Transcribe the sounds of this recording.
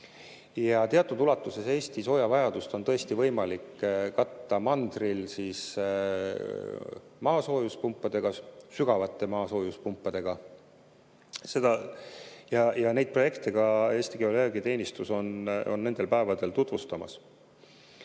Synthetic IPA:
jɑt̪eɑt̪ːˑud̪ulɑt̪ːˑuse̞se̞ːst̪iso̞ːjɑvɑjɑd̪̥ust̪o̞nt̪ɤe̞st̪ivɤ̞jmɑlikːkɑt̪ːɑmɑnd̪̥rilsis | mɑːso̞ːjuspumpːˑɑd̪̥e̞ɡ̥ɑsyɡ̥ɑvɑt̪ːˑe̞mɑːso̞ːjuspumpːɑd̪̥e̞ɡ̥ɑ | se̞d̪ɑ | jɑjɑne̞jd̪̥̚pro̞je̞kt̪eɡ̥ɑe̞ːst̪iɡiole̞ɡit̪e̞ːnʲist̪uso̞no̞nːe̞nd̪̥e̞lpæe̞vɑd̪e̞lt̪ut̪vust̪ɑmɑ̰s

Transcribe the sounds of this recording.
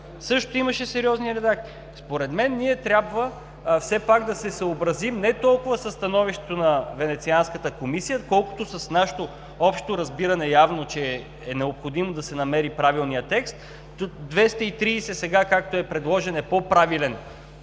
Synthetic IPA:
sɤʃt̪oimɐʃɛsɛɾiɔzniɾɛd̪ak̪ | spoɾɛd̪mɛnːiɛt̪ɾʲjabvə | fsɛpaɡd̪ɐsɛsɐobɾɐzimnɛt̪ɔlˠkʊvəsɐsːt̪ɐnɔviʃt̪ɛ̥t̪onɐvɛnɛt̪sianskət̪əkomisijəkɔlˠkʊ̥t̪osɐsnaʃɛ̥t̪o | ɔpʃt̪oɾɐzbiɾɐnɛjavnot͡ʃɛ | ɛnɛopxod̪imod̪ɐsɛnɐmɛɾipɾavilˠnijət̪ɛkst̪ | d̪vɛst̪ɐit̪ɾiːsɛsɛɡakak̚t̪oɛpɾɛd̪lˠɔʒɛnɛpopɾavilɛn

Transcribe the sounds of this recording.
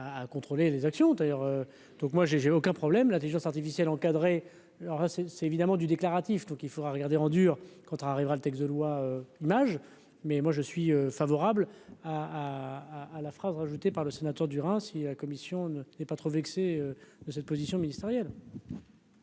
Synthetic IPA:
aːkɔ̃t̪χolelezaksjɔ̃d̪ajœʁø | d̪̥ɔ̃kmwaʒeʒeokʲɛ̃pχɔblɛmlɛ̃t̪eliʒɑ̃saʁt̪ifisjɛlɑ̃kad̪ʁe | lɔʁlasɛsɛevid̪amɑ̃d̪yd̪eklaʁat̪ifd̪ɔ̃kilfod̪ʁaʁəɡaʁd̪eɑ̃d̪yːʁkɑ̃t̪ɛlaʁivʁalət̪ɛks̬d̪əlwaøimaʒ | mɛmwaʒəsɥiøfavɔʁablaː | lafχazʁaʒut̪epaʁləsenat̪œʁd̪yʁɛ̃silakɔmisjɔ̃nənɛpat̪χovɛkseød̪əsɛt̪̚pozisjɔ̃minist̪eʁjɛl

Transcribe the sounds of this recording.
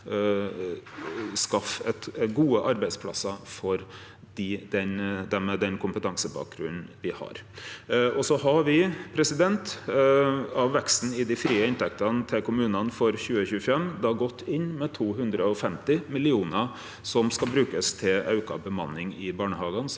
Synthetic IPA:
skɑfɛt̪ɡuːəʔɑɾbæɪd̪spʰlɑ̰sɑfɔɾ | ɖɪd̪ɛnd̪ɛmɛd̪ɛnkʰʊmpət̪ʰɑŋsəbɑ̰ːk̚ɡɾʉ̰nn̩ʋɪhɑ̰ɾ | ɔsɔɦɑɾʋɪpʰɾɛsɪd̪ɛnt̪ | ɑʋʋɛkst̪n̩ɪd̪ɪfɾiːəɪnt̪ʰɛk̚t̪ɑnt̪ʰɪlkʰʊmʉːnənfɔɾçʉːəçʉːəfɛmd̪ɑɡɔt̪ʰːɪnːmɛt̪ʰuːɦʉnd̪ɾəɔfɛmt̪ɪmɪlɪuːnə | sɔmskɑbɾʉːkəst̪ʰɪlʔɑʉkɑ̰bəmɑnːɪŋɪbɑːɳəhɑːɡən

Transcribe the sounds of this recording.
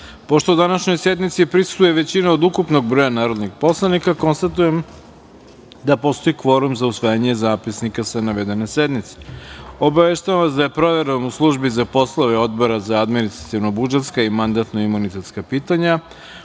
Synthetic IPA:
po̞ʃt̪o̞ud̪anaʃɲo̞jse̞d̪mit̪sipɾisu̥t̪ujeʋe̞t͡ɕinaod̪ukupno̞ɡbɾo̞janaːɾo̞d̪niɡpo̞slˠanikako̞nst̪at̪ujem | d̪apo̞st̪o̞ikʋo̞ɾumzausʋajaɲe̞zaːpisnikasanaʋe̞d̪e̞ne̞se̞d̪mit̪se̥o̞baʋeʃt̪aʋanʋasd̪aje̞pɾo̞ʋe̞ɾenuslˠuʒbizapo̞slˠoʋeo̞d̪bo̞ɾazaːd̪minist̪ɾat̪iʋno̞bud͡ʒet̪skaimand̪at̪no̞imunit̪e̞t̪skapiːt̪aɲa

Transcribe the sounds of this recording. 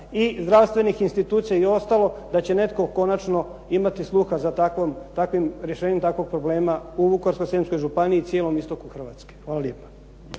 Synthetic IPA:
izd̪ɾaʋst̪ʋe̞nixinst̪it̪uːt̪sijaio̞st̪alˠo̞d̪at͡ɕe̞ne̞t̪ko̞ko̞nat͡ʃno̞ | imat̪islˠuxazat̪akomt̪akʋimɾjeʃeːɲemt̪akʋo̞ɡ̚pɾobleːmauʋukoɾskojsemsko̞jʒupaniːt̪sʲjeːlo̞mist̪o̞kuxr̩ʋaːt̪ske̥xʋaːlaljepḁ

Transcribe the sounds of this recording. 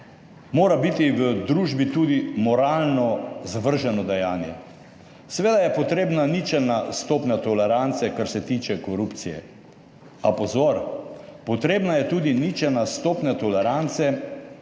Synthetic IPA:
moːɾabit̪iʋəd̪ɾuːʒbit̪uːd̪imɔɾaːlnɔzaʋəɾʒɛnɔd̪ɛjaːnjɛ̰ | sɛʋeːd̪ajɛpɔt̪ɾeːbnanit͡ʃɛnast̪oːpnʲat̪ɔlɛɾant̪sɛkaɾsɛt̪iːt͡ʃɛkɔɾupt̪sijɛ̰ | apɔzoɾpɔt̪ɾeːbnajɛt̪uːd̪init͡ʃɛnast̪oːpnʲat̪ɔlɛɾant̪sɛ

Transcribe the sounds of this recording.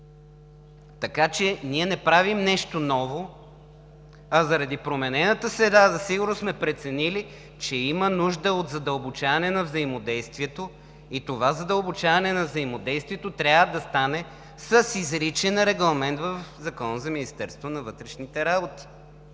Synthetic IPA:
t̪ɐkat͡ʃɛniɛnɛpɾavimnɛʃt̪onɔvo | ɐzɐɾɐd̪ipɾomɛnɛnət̪əsɾɛd̪azɐsiɡʊɾnosmɛpɾɛt̪sɛnili | t͡ʃɛimənuʒd̪əot̪zɐd̪əlˠbot͡ʃavɐnɛnɐvzɐimod̪ɛjst̪viɛt̪o | it̪ovazɐd̪əlˠbot͡ʃavɐnɛnɐvzəimod̪ɛjst̪viɛt̪ot̪ɾʲavəd̪ɐst̪anɛ | sɐsizɾit͡ʃɛnɾɛɡlˠɐmɛnt̪vəfzɐkɔnəzɐminist̪ɛɾst̪vonɐvɤt̪ɾɛʃnit̪ɛɾabot̪i̥

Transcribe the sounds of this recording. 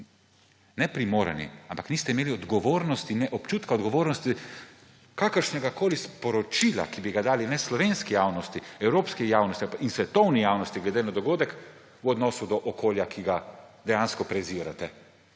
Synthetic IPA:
nɛpɾimoːɾɛ̰nḭampakniːst̪ɛimeːliɔd̪ɡɔʋoːɾnɔst̪inɛʔɔpt͡ʃuːt̪kaɔd̪ɡɔʋoːɾnɔst̪i | kaːkəɾʃnɛɡakoːlispɔɾɔt͡ʃiːla̰kibiɡad̪aːlinɛslɔʋenskijaːwnɔst̪iɛwɾoːpskijaːwnɔst̪iinsʋɛt̪ɔwnijaːwnɔst̪iɡlɛd̪eːnad̪ɔɡoːd̪ɛk | wɔd̪nɔːsud̪ɔʔɔkoːljakʰiɡad̪ɛjaːnskɔpɾɛziːɾa̰t̪ɛ

